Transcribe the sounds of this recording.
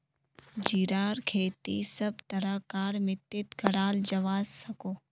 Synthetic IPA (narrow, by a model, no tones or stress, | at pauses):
d͡ʒiːɾaːɾkʰeːt̪isɐb̚t̪ɐɾəkaːɾmɪt̪ːɪt̪ɡʱɐɾaːld͡ʒɐʋaːzsɐkoː